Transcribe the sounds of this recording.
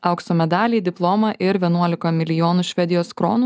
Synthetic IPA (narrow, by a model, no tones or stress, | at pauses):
ɐʊkst̪oːmʲɛd̪ɑːlʲiːd̪ʲɪplˠoːmɐʔɪɾʋʲiɛnuɔlʲɪkɐmʲɪlʲɪjoːnuːʃʲʋʲɛd̪ʲɪjoːskɾo̰ːnuː